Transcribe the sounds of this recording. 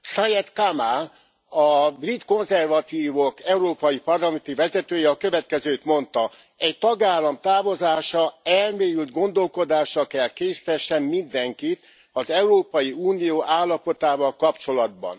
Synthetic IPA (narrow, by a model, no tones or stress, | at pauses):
sajɛt̪kama | ɒbrit̪ko̞nzɛrvɒt̪iːvokɛuɾoːpɒjipɒrlɒmɛnt̪ivɛzɛt̪øːjɛɒkø̞vɛt̪kɛzøːt̪mo̞nt̪ɒ | ɛct̪ɒɡaːlːɒmt̪aːvo̞zaːʃɒɛlmeːjylt̪ɡo̞nd̪o̞lko̞d̪aːʃɒkɛlkeːsi̥t̪ɛʃːɛnmind̪ɛŋkit̪ | ɒzɛuɾoːpɒjiuːnijoːʔaːlːɒpo̞t̪aːvɒlkɒpt͡ʃo̞lɒd̪̚bɒ̰n